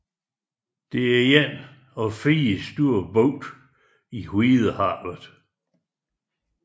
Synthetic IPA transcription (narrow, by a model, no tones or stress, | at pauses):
d̥e̝æɐjen | ɒfiːsd̥uɐ̰bɔʊd̥ | ihwið̩ˠəhɑ̰̈ːʋəðˠ